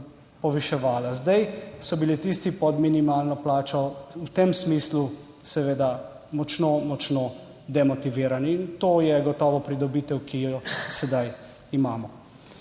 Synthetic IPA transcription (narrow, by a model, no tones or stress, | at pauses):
pɔʋiʃɛʋaːlazd̪ajsɔbilit̪ist̪ipɔd̪minimaːlnɔplaːt͡ʃɔwt̪emsmislu | sɛʋeːd̪a | mɔt͡ʃnomɔt͡ʃno | d̪ɛmɔt̪iʋiːɾaniːnt̪oːjɛɡɔt̪ɔːʋɔpɾid̪ɔbiːt̪ɛwkijɔsɛd̪aj | imaːmɔ